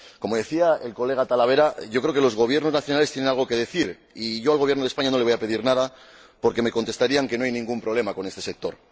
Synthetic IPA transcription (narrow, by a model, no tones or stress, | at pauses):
ko̞moðe̞θiae̞lko̞le̞ɣat̪alaβ̞e̞ɾaʝokɾeoke̞lo̞zɣo̞β̞jeɾno̞znaθjo̞nalest̪jennalɣ̞o̞ke̞ð̞e̞θiɾ | iʝo̞alɣojenoðespaɲano̞leojape̞ðiɾnaða | po̞ɾke̞me̞ko̞nt̪e̞st̪aɾiaŋke̞no̞ajnĩŋɡumpɾoβle̞mako̞nest̪e̞se̞k̚t̪o̞ɾ